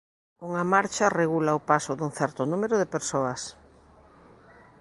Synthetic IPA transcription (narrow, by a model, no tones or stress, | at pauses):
uŋamaɾt͡ʃɐreɣulaʊpasʊðuŋθɛɾt̪ʊnumeɾʊðepeɾsoɐs